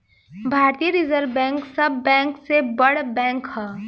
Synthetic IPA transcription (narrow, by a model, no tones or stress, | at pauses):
bʱaːɾt̪ijəɾɪzəɾʋbɛ̃ːŋksɐbːɛ̃ːŋksebɐɽbɛ̃ːŋkɦɛː